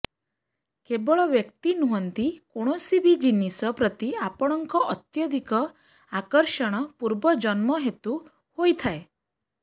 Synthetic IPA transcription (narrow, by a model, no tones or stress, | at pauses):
kebɔɭɔʋjəkt̪inuɦɔnt̪ikoɽ̃ɔsibid͡ʒinisɔpɾɔt̪iapɔɽ̃ɔŋkɔʔɔt̪jɔd̪ʱikɔ | akɔɾʃɔɽ̃ɔpuɾbɔd͡ʒɔnmɔɦet̪u | hojt̪ʰae